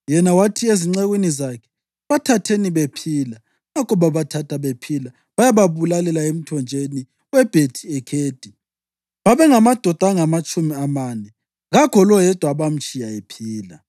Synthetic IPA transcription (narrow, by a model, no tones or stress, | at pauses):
jɛnawatʰieziŋ͡ǀeɣwinizakʰɛ̥ | βatʰatʰeniβepʰiːla | ŋakʰʼɔβaβatʰatʰaβepʰila | βajaβaβulalɛlaem̩tʰɔnd͡ʒʱeni | wɛb̥ʱetʰiɛkʰeːd̥ʱi | βaβɛŋamad̥ʱɔd̥ʱaŋamat͡ʃʼumiamaːnɛ | ɣaɡ̥ʰʱɔlɔjɛd̥ʱwaβam̩t͡ʃʼijaepʰiːla̰